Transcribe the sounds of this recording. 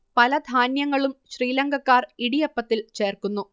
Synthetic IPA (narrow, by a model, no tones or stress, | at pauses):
pɐlɐd̪ʱaːnjɐŋːɐɭumɕriːlɐŋɡɐkːaːriɽijɐpːɐt̪ːilt͡ɕe̞ːrkunːu